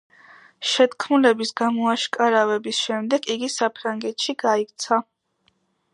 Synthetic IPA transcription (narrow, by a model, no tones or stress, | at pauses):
ʃɛt̪kʰmulɛbisɡamɔaʃkʼaɾavɛbisʃɛmd̪ɛɡiɡisapʰɾaŋɡɛt̪ʃiɡaikʼt̪sʰa